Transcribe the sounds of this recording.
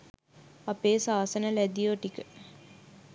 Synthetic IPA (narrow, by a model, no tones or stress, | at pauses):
apeːsaːsənəlæd̪ijoʈikə